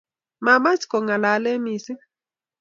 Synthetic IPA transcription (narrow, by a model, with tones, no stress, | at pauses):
ma˨ma˦si̥˨kɔ˨ŋa˨la˨˦le˦mi˦˨si˦